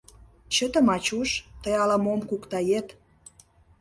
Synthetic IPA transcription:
t͡ɕə̆t̪ə̆mɑt͡ɕuʃt̪əjɑlɑmomkukt̪ɑjet̪

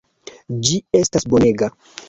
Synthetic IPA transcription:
d͡ʒie̞stasbo̞ne̞ɡa

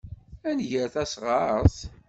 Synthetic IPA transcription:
ænʝəɾθæsʁɑɾθ

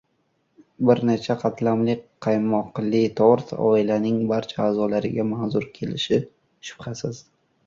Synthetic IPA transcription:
bɪɾne̞t͡ʃʰaqʰɑt̪ʰlamlɪk̚ʲqʰɑjmɒqlɪt̪ʰɒɾt̪ʰɒ̰ɪlanɪŋbaɾt͡ʃʰaaːzɒlaɾɪɡʲamanzʊɾkʲʰe̞lɪʃɪ | ʃʊ̥pχasɪz̥

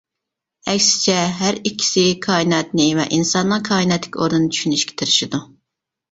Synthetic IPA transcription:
ɛkʲsɪ̥t͡ʃʰɛɦæɾikʲʰːi̥sɪkʰɑːinɛt̪nɪvɛ̰ʔinsɑnːɨŋkʰɑːinɛt̪lɪkʲoɾd̪unːt͡ʃʰy̥ʃynyʃkʲe̥t̪ʰɨɾɪʃid̪u

